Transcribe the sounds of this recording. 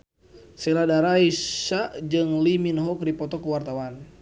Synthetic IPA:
sɛladaɾaisad͡ʒɨŋliminɦɔk̚dipɔt̪ɔkəwart̪awan

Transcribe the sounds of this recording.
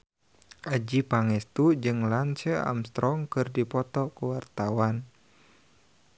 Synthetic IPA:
ʔad͡ʒipaŋɛst̪ud͡ʒɨŋlant͡ʃəa̰mst̪ɾɔŋkɨrdipɔt̪ɔkəwart̪awan

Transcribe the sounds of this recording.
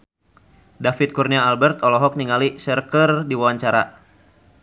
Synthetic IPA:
dafit̪̚kurniaːlbɛrt̪ɔlɔɦɔk̚niŋalisərkərdiwawaɲt͡ʃaɾa̰

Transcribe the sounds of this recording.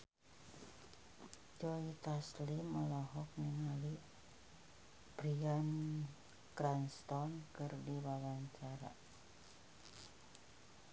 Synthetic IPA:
d͡ʒɔit̪asliməlɔɦɔk̚nəŋali | b̥ɾian | kɾanst̪ɔnkɨrdiwawaɲt͡ʃaɾa̰

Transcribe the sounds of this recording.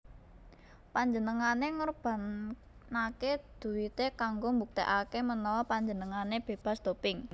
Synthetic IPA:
paɲd͡ʒənəŋaneŋərb̥a̤n | aked̪̥ṳwit̪ekaŋɡombuk̚t̪eʔakemənɔwɔpaɲd͡ʒənəŋaneb̥e̤b̥a̤sd̪̥o̤pɪŋ

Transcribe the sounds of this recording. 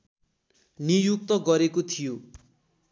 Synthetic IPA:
nijuk̚t̪ʌɡʌɾekot̪ʰijo

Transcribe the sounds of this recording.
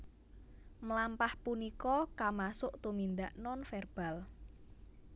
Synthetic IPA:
məlampahpunikɔkamasʊʔt̪umind̪aʔnɔnfɛrb̥a̤l

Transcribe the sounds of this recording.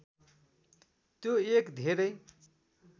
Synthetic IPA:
t̪joekd̪ʱeɾʌj

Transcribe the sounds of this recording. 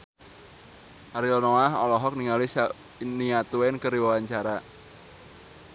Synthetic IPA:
ʔaɾilɔnoaɦɔ̰lɔɦɔk̚niŋalis | niat̪uwɛnkəɾiwawaɲt͡ʃaɾa

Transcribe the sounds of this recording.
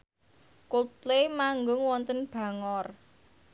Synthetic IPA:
kot̚lemaŋɡʊŋwɔnt̪ənb̥ä̤ŋɔr

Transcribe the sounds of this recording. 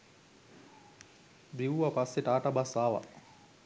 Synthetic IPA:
biuʋɐpasːeʈaːʈabasaːʋa̰

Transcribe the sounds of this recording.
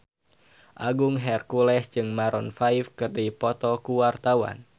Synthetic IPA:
ʔaɡuŋɦɛrkulɛsd͡ʒɨŋmaɾɔnfaifkɨrdipɔt̪ɔkuwart̪awa̰n

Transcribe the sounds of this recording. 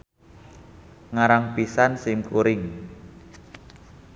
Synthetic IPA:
ŋaɾaŋpisansɪmkuɾɪŋ

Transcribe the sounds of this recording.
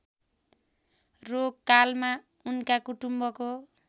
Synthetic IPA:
roɡkalma | unkakuʈumbʌko

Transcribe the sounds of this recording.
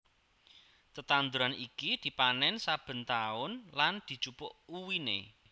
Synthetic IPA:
t̪ət̪and̪uɾanikid̪̥i̤panɛnsab̥ə̤nt̪aʊnland̪̥i̤̥t͡ʃupʊʔuwinḛ

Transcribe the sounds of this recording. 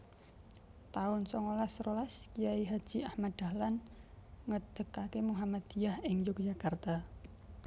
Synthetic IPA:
t̪aʊnsɔŋolasrolaskijaiɦad̥ʒ̥i̤ʔahmad̪̥a̤lanŋəd̪̥ə̤kakemuɦamad̪̥ijahɪŋjʊk̚d͡ʒakart̪a

